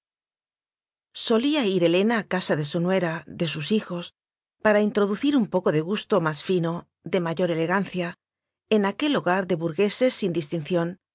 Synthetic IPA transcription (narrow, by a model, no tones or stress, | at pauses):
so̞liaiɾe̞le̞naːkasaðe̞sonwe̞ɾaðe̞susixo̞s | paɾaint̪ɾo̞ðuθiɾumpo̞koðe̞ɣ̞ust̪o̞masfino | ðe̞maʝo̞ɾe̞le̞ɣanθja | enake̞loɣaɾðe̞βuɾɣe̞se̞sːind̪ist̪inθjo̞n